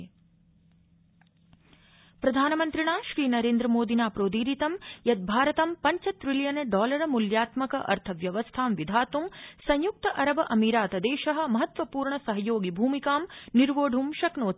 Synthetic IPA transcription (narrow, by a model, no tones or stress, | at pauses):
pɾɐd̪ʱaːnɐmɐnt̪ɾiɳaːʃɾiːnɐɾeːnd̪ɾɐmoːd̪ʱinaːpɾoːd̪iːɾit̪ɐmjɐt̪̚bʱaːɾɐt̪ɐmpɐɲt͡ʃɐt̪ɾiljɐnɖɔːlɐɾɐmuljaːt̪mɐkɐʔɐ̰ɾt̪ʰɐʋjɐʋɐst̪ʰaːmʋid̪ʱaːt̪umsɐ̃ɲjuk̚t̪ɐʔɐɾɐbɐʔɐmiɾaːt̪ɐd̪eːʃɐɦɐ̆mɐɦɐt̪ʋɐpuːɾɳɐsɐɦɐjoːɡibʱuːmikaːmniɾʋoːɖʱumʃɐknoː